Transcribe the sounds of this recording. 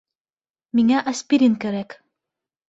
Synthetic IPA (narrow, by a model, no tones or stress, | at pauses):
miŋæʔɐspʲiɾʲinkæɾæk